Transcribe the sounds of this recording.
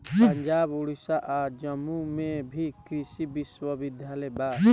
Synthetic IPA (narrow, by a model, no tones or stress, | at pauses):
pəɲd͡ʒaːbuɽisaʔaːɾd͡ʒəmːumẽbʱikɾisibɪswəbɪd̪ʱjaːlejbaː